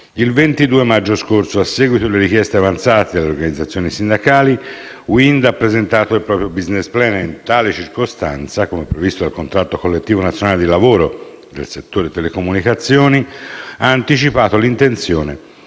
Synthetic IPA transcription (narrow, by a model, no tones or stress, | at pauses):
ilvent̪id̪uːemad͡ʒːoskorsoasːɛːɡwit̪oeleɾik̟jɛst̪eavant̪saːt̪ed̪alːeorɡanid̪zat̪sːjoːnisind̪akaːli | wind̪apːɾezent̪aːt̪oilpɾɔːpɾjobiznesplɛːnint̪aːlet͡ʃirkost̪ant̪sakomepːɾevist̪od̪alkont̪ɾat̪ːokolːet̪ːiːvonat̪sjonaːled̪ilavoːɾo | d̪elset̪ːoːɾet̪ɛlekomunikat̪sːjoːniaːnt̪it͡ʃipaːt̪olint̪ent̪sjoːne